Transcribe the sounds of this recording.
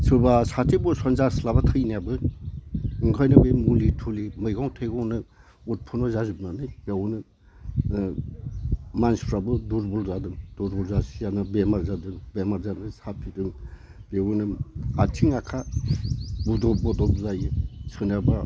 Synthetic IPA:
sɯbasatʰibusɔnzaslabatʰɯjniabɯ | ɯŋkʰɔjnɯbemulitʰulimɯjɡɔŋtʰɯjɡɔŋnɯ | ut̚pʰunɔzazubnanɯjb̥ewnɯ | manspʰɾabɯduɾbulzadɯŋduɾbulzasijanɯbemaɾzadɯŋbemaɾzanɯsatʰidɯŋ | b̥ewunɯatʰiŋakʰa | budɔp̚bɔdɔp̚zajɯsʰɯnaba

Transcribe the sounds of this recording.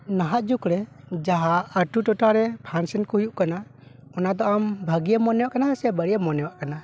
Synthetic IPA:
naɦaʔ̪d͡ʒukɾɛd͡ʒaɦaəʈuʈɔʈaɾɛpʰansɛnkɔhujuʔkanaɔnad̪ɔambʱəɡijamɔnɛwaʔkanasɛbəɽijamɔnɛwaʔkana

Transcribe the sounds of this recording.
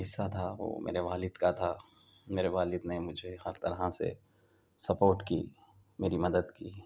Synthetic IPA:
ɦɪsːat̪ʰaʋo̰ːmʔḛːɾeʋaːlɪd̪kat̪ʰa | meːɾeʋaːlɪd̪nɛmʊd͡ʒʱehɐɾt̪ɐɾɦasḛ | sɐpoːɾʈkḭː | meːɾimɐd̪əd̪kiː

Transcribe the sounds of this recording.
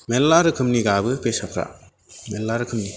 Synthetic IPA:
melːaɾɯkʰɯmniɡabɯpesakʰɾa̰ | melːaɾɯkʰɯmni

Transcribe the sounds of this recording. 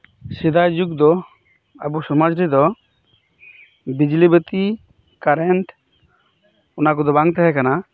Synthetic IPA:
sid̪ajd͡ʒuɡd̪ɔ | a̰busɔmad͡ʒɾid̪ɔ | bid͡ʒlibət̪i | kaɾɛɳʈ | ɔnak̬ud̪ɔbaŋt̪ɛɦɛkana

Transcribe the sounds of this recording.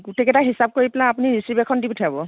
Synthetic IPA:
ɡutɛkɛtaɦisab̚koɹiplãapuniɹisɹibekʰɔndibutʰabɔ

